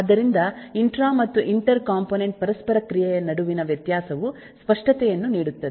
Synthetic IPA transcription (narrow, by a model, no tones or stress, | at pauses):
ɐd̪ɐɾind̪ɐiɳʈɾaːmɐt̪ːuʔiɳʈɐɾkaːmpoːneɳʈ̚pɐɾɐspɐɾɐkɾijɛjɐnɐɽuʋinɐʋjɐt̪jaːsɐʋu | spɐʂʈɐt̪ɛjɐnːuniːɽut̪ːɐd̪e